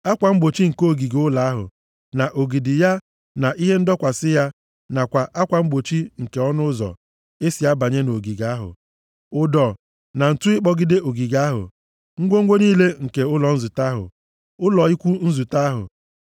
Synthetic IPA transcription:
a˦kʷa˨ŋ͡m̩˦ɡ͡bo˨t͡ʃi˦ŋ̩˨ko˦o˨ɡi˨ɡʊ˦la˨a˦ɦʊ̰˨ | na˨ʔo˨ɡi˨dɪ˨ja˦ | na˨ʔi˦ɦe˦n̩˦dɔ˦kʷa˨sɪ˦ja˦ | na˨kʷa˨ʔa˦kʷa˨ŋ͡m̩˦ɡ͡bo˨t͡ʃi˦ŋ̩˨ke˨ɔ˦nʊ˦zɔ̰˨ | e˦si˨a˦ba˨ɲe˦no˨ɡi˨ɡa˨˦ɦʊ̰˨ | ʊ˨dɔ˨ | na˨n̩˨tu˦ɪ˦k͡pɔ˦ɡi˦de˦o˨ɡi˨ɡa˦ɦʊ̰˨ | ŋ̩˦ɡʷo˦ŋ̩˦ɡʷo˦niː˦le˦ŋ̩˨ke˨ʊ˦lɔ˨n̩˦zu˨ta˦ɦʊ̰˨ | ʊ˦lɔ˨i˦kʷu˦n̩˦zu˨ta˦ɦʊ̰˨

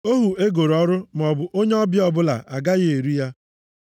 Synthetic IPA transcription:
o˦ɦu˨e˦ɡo˨ɾɔ˦ɾʊ˦m̩˨ɔ˨bʊ˨ʔo˦ɲe˦ɔ˦bjɔ˨bʊ˦la̰˨ʔa˨ɡa˦ɣe˨ɾi˦ja˦

